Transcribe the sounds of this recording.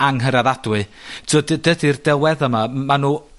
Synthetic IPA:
aŋɦəɾaðad̥wɨtʰɔddədirdɛlwɛðəmamanuː

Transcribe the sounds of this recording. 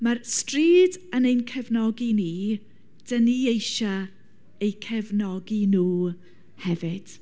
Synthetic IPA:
marstriːdənejnkʰɛvnɔɡiniː | d̥əniːejʃa | ejkʰɛvnɔɡinuː | hɛvɪd̥

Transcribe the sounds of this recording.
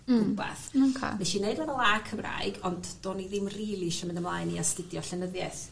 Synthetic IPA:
ʊba̰θkʰa̰vɛʃinejdvɛvɛlˠakʰəmra̰ɨɡɔndd̥oːniðɪmriːlˠiʃɔmɪ̃ndəmlˠajniastɪdjɔɬɛnəðjɛθ

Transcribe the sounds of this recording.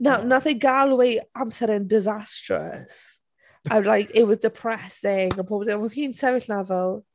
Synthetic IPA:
nawnaθɪ̃ŋɡalˠwiãmsɛɾɪ̃ŋdɪzastɹə̰s | alaɪkɪʔwɔzdɪpʰɹ̥ɛsɪŋə̃npʰɔbsewkĩnsɛvɪθnavəlˠ

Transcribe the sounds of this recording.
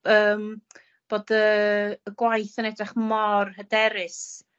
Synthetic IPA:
əːm | b̥oːdəːɡwajθənɛdrɛχmɔrhədɛɾɪs

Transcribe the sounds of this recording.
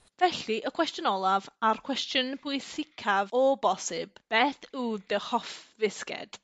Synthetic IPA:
vɛɬiʔəkʰw̥ɛstjʊnɔlˠavarkʰw̥ɛstjɔnpʰʊɨsɪkʰavɔbɔsɪbb̥eːθudəhɔfvɪskɛ̰d̥

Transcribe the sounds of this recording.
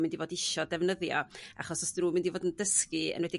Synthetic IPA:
mɪndivoːdɪʃɔdɛvnəðjɔ̰a̰χɔsɔsɾuːmɪndivoːdəndəskɨə̰nwɛdi

